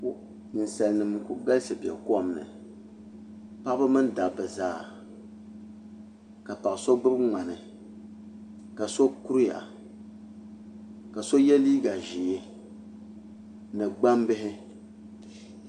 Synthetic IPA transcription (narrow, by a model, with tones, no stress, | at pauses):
n̩˨sa˨lnɨ˨m˨kʊ˦ɡa˦lsɨ˨bi˨ɛ̰˨kɔ˦˨mnɨ̰˨ | pa˦ʔbɨ˦mɨ˦nda˨bɛ˨zaː˦˨ | ka˨pa˨so˦bɨ˦bŋʷa˨nɨ˨ | ka˨so˦ku˦ɾja̰˨ | ka˨so˦jɛ˦liː˦ɡa˨ʒi˨e˦ | nɨ˨ɡ͡ba˦mbɪ˦ɦɪ˦